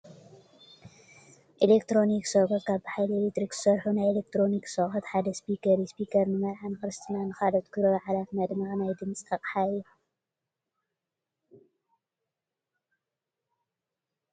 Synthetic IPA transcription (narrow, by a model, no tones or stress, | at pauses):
ʔilekt̪ɾo̞niksokɐt̪̚kʰaβbħajlielet̪ɾikz̥ɨ̥sɐɾħunajelek̚t̪ʰɾo̞niksoxɐt̪ħad̪ɐspikʰɐɾispikʰɐɾnɨmɐɾʕankɨɾɨst̪ʰinanɨxalɐt̪kʰɨɾɐβʕalat̪mɐd̪maɣnajd̪ɨnt͡sʼt̪ʰɐqʼħaju